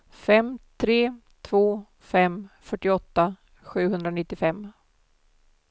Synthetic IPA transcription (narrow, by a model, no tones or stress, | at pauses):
fɛmːt̪ʰɾeː | t̪ʰvoː | fɛmfœʈːɪɔt̪ːa | ɧʉ̟ːɦɵnd̪ɾanɪt̪ːɪfɛmː